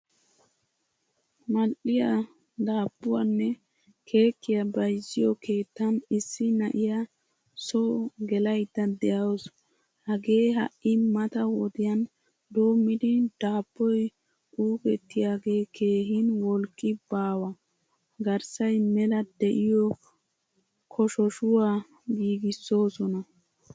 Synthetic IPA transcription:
mɐlʔɪja | d̪aːbːʊwanːɛ | kʰe̞ːkːɪjɐbɐjzːɪjɔkʰe̞ːt̪ːɐnɪsːɪnɐ̰ʔɪjɐ | sɔɡɛlɐjd̪ːɐd̪ɛʔɐwɔs | hɐɡe̞ːɦɐ̰ʔːɪmɐt̪ɐwɔd̪ɪjɐn | d̪oːmːɪd̪ɪd̪̥aːbːɔj | ʔuːkɛt̪ːɪjaːɡe̞ːkʰe̞ːɦɪnwɔlkʼːɪbaːwɐ | ɡɐɾsɐjmɛlɐd̪ɛʔɪjɔ | kʰɔʃɔʃʊwaː | ɡiːɡɪsːo̞ːsɔnɐ

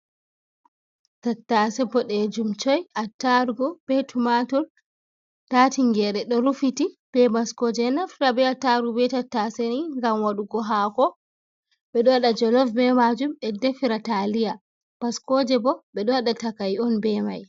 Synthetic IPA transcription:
tatːasɛbɔɗɛd͡ʒumt͡ʃɔjatːaɾɡɔb̥ɛtʰumatɔɾ | tatiŋɡɛɾɛɗɔɾufitib̥ɛmaskɔd͡ʒɛnaftabɛataɾubɛtatːasɛniŋɡamwaɗuɡɔɦakɔ | ɓɛɗɔwaɗad͡ʒɔlɔfbɛmad͡ʒumɛdefiɾatalija | m̥askɔd͡ʒɛbɔɓɛɗɔwaɗatakajɔnbɛma̰j

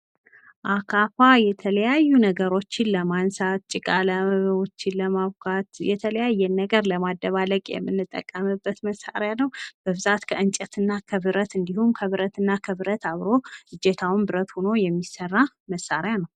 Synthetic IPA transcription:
ʔakʰafajɛt̪ʰələjajːunəɡəɾo̞t͡ʃːɪnləmansat̪̚t͡ʃʼɪkʼaləot͡ʃːɪnləmaβkʰat̪jɛ̰t̪ʰələjajːɛnːəɡəɾləmad̪ːəβaləkʼjɛ̰mːɨnːɨt̪ʼːə̰kʼːəmɨbːət̪məsːa̰ɾejanəwb̥əβɨzat̪kʰəɨnt͡ʃʼət̪ʰɨnːakʰəβɨɾət̪ɨnd̪ihumkʰəβɨɾət̪ʰɨnːakʰəβɨɾət̪aβɾo̞hɨd͡ʒɛt̪ʰawɨnbɨɾət̪hono̞jɛmːisərːa | məsːaɾjanəw

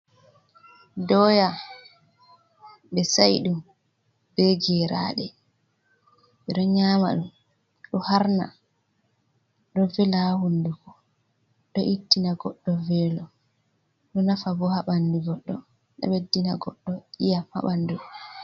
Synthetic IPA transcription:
dɔːja | ɓɛsajɗum | b̥ɛɡɛɾa̰ːɗɛ | ɓɛɗɔɲaːma̰ɗum | ɗɔhaɾna̰ | ɗɔvɛlahundukɔ | ɗɔʔitːinaɡɔɗːɔvɛːlɔ | ɗɔnafabɔhaɓanduɡɔɗːɔ | ɗa̰ɓedːinaɡɔɗːɔʔijaha̰ɓandu

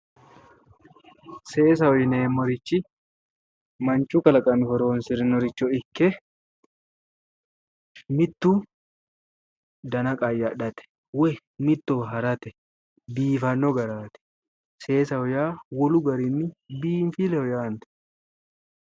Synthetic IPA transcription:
se̞ːs̬ɐɔjneːmːɔɾɪt͡ʃːɪ | mɐnt͡ʃːukɐlɐkʼɐmɪhɔɾoːnsɪɾɪnɔɾɪt͡ʃːɔɪkːɛ | mɪt̪ːu | d̪ɐnɐkʼajːɐᶑɐt̪ɛ̥ | wɛ | mɪt̪ːɔɦɐɾɐt̪ɛ | biːfɐnːɔɡɐɾaːt̪ɛ̥ | se̞ːsɐɔjaːwɔlʊɡɐɾɪnːɪbiːnfɪlɛhɔjaːnt̪ɛ̥

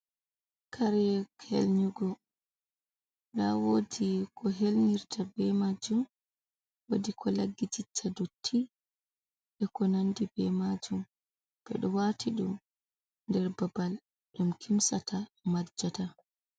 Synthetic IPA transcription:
kʰaɾɛkʰḛlɲuɡɔ | ɗawodikʰɔɦelɲiɾtabɛmad͡ʒum | wodikʰɔlaɡːid͡ʒit͡ʃʰːadotʰːi | ɗɛkɔnandibɛmad͡ʒum | b̥ɛ̰ɗɔwatiɗum | ndɛɾbabal | ɗumkʰimsatʰamad͡ʒata

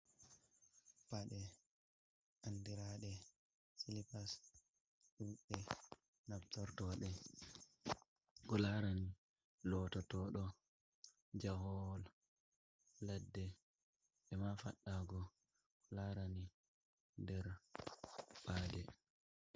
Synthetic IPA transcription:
paɗɛ | ʔandiɾaɗɛ | silipas | ɗuɓɛ | nabtɔɾtɔɗɛ | ɡɔlaɾani | lɔtɔtɔːɗɔ | d͡ʒahɔl | ladːɛ | ʔɛmafaɗːaːɡɔ | laɾani | ndɛɾ | ɓaːdɛ

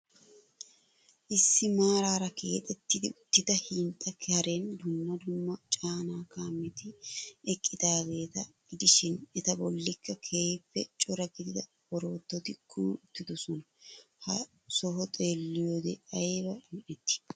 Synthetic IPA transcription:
ʔɪsːɪmaːɾaːɾɐke̞̰ːt̪ʼɛt̪ːɪd̪ɪʊt̪ːɪd̪ɐhɪːnt̪ʼːɐkʰhɐɾend̪ʊmːɐd̪ʊmːɐt͡ʃʼaːnaːkaːmːɪt̪ɪɛkʼːɪd̪aːɡe̞ːt̪ɐɡ̥ɪd̪ɪʃɪnɛt̪ɐbɔlːɪkʰːɐkʰeːjpːɛt͡ʃʼɔɾɐɡɪd̪ɪd̪ɐ | b̥ɔɾo̞ːt̪ːɔt̪ɪkʊʊt̪ːɪd̪ɔsɔnɐ | hɐ | sɔɦɔt̪ʼe̞ːlːɪjoːd̪ɛʔɐjebɐmɪʔɛt̪ːɪ̥

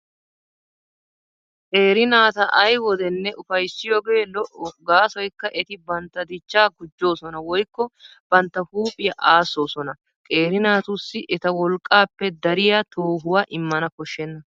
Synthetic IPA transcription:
kʼe̞ːɾɪnaːt̪ɐʔɐjwɔd̪ɛnːɛʔʊfɐjsːɪjoːɡe̞ːlɔʔɔɡaːsɔjkːɐʔɛt̪ɪbɐnt̪ːɐd̪ɪt͡ʃːaːɡʊd͡ʒːo̞ːsɔnɐwɔjkːɔb̥ɐnt̪ːɐhuːpʼɪjɐʔaːsːo̞ːsɔnɐ | kʼe̞ːɾɪnaːt̪ʊsːɪʔɛt̪ɐwɔlkʼːaːpːɛd̪ɐɾɪjat̪o̞ːɦʊwaːʔɪmːɐnɐkɔʃːɛnːɐ

